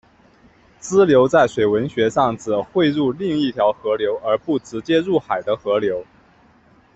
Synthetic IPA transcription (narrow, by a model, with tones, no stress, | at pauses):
t͡sɹ̩˥ljo˧˥ʊt͡sa˥˩ɪʂwe˨˩ɪwə˧˥nɕɥɛ˧˥ʂɑ˥˩ŋt͡s̩˨˩xwe˥˧ɪɻu˥˧li˥˧ŋi˥˩t̪ʰjɑ˧˥ʊxɤ˧˥ljo˧˥ʊʔə˞˧˥pu˥˩ʈ͡ʂɹ̩˧˥t͡ɕjɛ˥ɻu˥˩xa˨˩ɪd̪ə˦xɤ˧˥ljo˧˥ʊ